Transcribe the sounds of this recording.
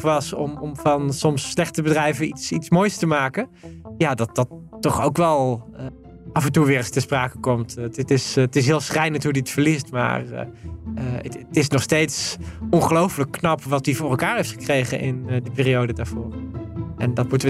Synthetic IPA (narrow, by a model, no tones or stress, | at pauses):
χʋɑsɔmɔmvɑnsɔmsːlɛχtəbədrɛjvənitsitsmoːjstəmaːkəjaːdɑt̚d̥ɑtːɔχowkʋɛlˠ | ʔɑfɛntuʋɪːɹəstəspraːkəkɔmtttɪstɪs̬ɦɪːlˠsrɛjnətɦudiətfəɹlistma̰ːr̰ə̰tɪsnɔχstejtsɔnχəlowfələkːnɑpʋɑtyvʊːrɛlˠkaːɹɦejftχəkrejχə̰nʔɪnədəpɪːrijowdədaːɹv̥ʊːɹʔɛndɑtmutəʋə